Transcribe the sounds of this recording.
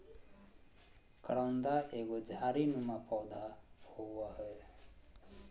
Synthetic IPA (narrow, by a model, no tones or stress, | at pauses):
kəɽənd̪aʔeːɡod͡ʒʱaːɾinũmãpɔwd̪ʱahoaɦɔe